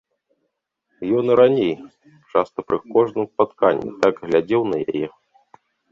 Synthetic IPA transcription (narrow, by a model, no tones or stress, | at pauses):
jɔnɨɾanʲej | t͡ʂast̪ɐpɾɨkɔʐnɨmspat̪kanʲːḭt̪aɡɣlʲad͡zʲɛwnɐja̰jɛ